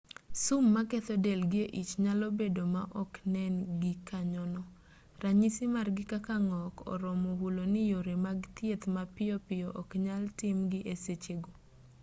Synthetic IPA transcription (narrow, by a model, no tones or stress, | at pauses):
sʊmːaket̪ɔdɛlɡɪeʔit͡ʃɲalɔbedomaʔɔknɛnɡɪkaɲɔnɔ | raɲisɪmarɡɪkakaŋɔkɔ̰ɾɔmɔhulonɪjoɾemaɡt̪jet̪mapɪjɔpɪjɔʔɔkɲaltɪmɡɪʔeset͡ʃeɡo